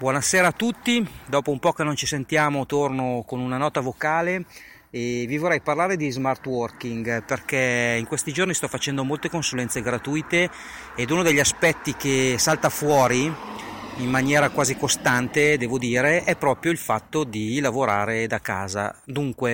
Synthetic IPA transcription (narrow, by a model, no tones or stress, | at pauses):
bwɔnasɛːɾaːt̪ːut̪ːid̪ɔːpoumpɔːkenːont͡ʃisent̪jaːmot̪ornokonunanɔːt̪avokaːle | evivorːɛjparlaːɾed̪izmart̪wɔrkiŋɡperkɛiŋkwest̪id͡ʒornist̪ɔfat͡ʃɛnd̪omolt̪ekonsulɛnt̪seɡɾat̪ujt̪eː | d̪unod̪eʎːaspɛt̪ːik̟esalt̪afwɔːɾi | imːanjɛːɾakwaːzikost̪ant̪ed̪ɛːvod̪iːɾeʔɛpːɾɔːpɾjoilfat̪ːod̪ilavoɾa̰ːɾed̪aka̰ːza̰d̪uŋkwe